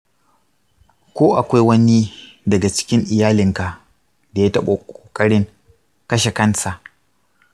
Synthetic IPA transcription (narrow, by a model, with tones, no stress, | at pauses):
kʷoː˦ʔa˨kʷa˦jwɐ˦ni˦ | dɐ˨ɡa˨t͡ʃɪ̥˦kʲɪ˦ŋʔɪ˨jaː˦lɪ˨ŋka˨ | da˨jaː˦tɐ˦ɓa˨kʷʼoː˨kʼɐ˦ɽɪ˦ŋ | kɐ˦ʃe˨kɐ˦nsa˨ʔ